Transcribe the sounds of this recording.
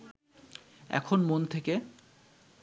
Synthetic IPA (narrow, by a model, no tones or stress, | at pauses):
ɛ̰kʰonmont̪ʰeke